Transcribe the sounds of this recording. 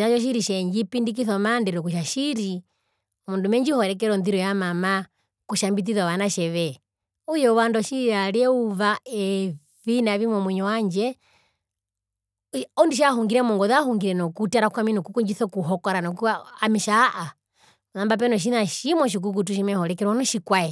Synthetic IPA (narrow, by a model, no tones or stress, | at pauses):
aʃɔʃ̬iɾiʃɛɲd͡ʒipindik̬iθɔmandɛɾɔkuʃ̬aʃiɾi | mundumɛɲd͡ʒihɔɾɛk̬ɛɾɔnðiɾɔjamama | kuʃambit̬iðwaʋanaʃɛʋɛ | ujɔwandɔʃialiɛuvaɛ | vinaʋimwɔmwiɲɔwaɲd͡ʒɛ | ɔndiʃ̬ahuŋɡiɾɛmɔŋɡɔðahuŋɡiɾɛnɔkutaɾakuaminɔkukuɲd͡ʒiθɔkuɦɔkɔɾanɔkuamiʃaʔa | ðambap̬ɛnɔʃ̬inaʃimɔʃ̬ik̬uk̬ut̬uʃimɛhɔɾɛkɛɾwɔnɔʃikwaɛ